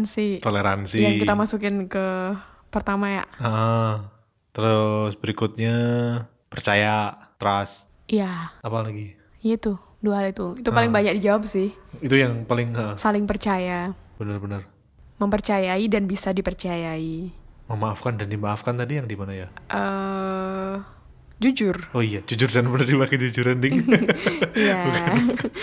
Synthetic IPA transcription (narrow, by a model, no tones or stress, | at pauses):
nsɪt̪oleɾansijaŋkkit̪amasukɪnkə | pərt̪amaja̰ʔəʔə | t̪əɾʊsbəɾikʊt̪̚ɲa | pərt͡ʃajat̪əɾas | ijaapalaɡi | jait̪u | duaɦalit̪uit̪upalɪŋbaɲak̚did͡ʒawabsɪhit̪ujaŋpalɪŋəsalɪŋpərt͡ʃajab̥ənərbənər | məmpərt͡ʃajaidanbisadipərt͡ʃajaiməmaːfkandandimaːfkant̪adijaŋdimanajaʔə | d͡ʒud͡ʒʊroijad͡ʒud͡ʒʊrdanbənərdibakɛd͡ʒud͡ʒuɾandɪŋ | ija